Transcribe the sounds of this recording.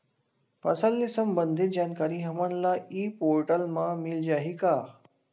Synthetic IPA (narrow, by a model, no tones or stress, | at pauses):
pɐsəlːisəmbənd̪ʱit̪̚d͡ʑaːnkaːɾiɦɐmãnlaiːpoːɾʈəlmãmild͡ʒaːɦikaː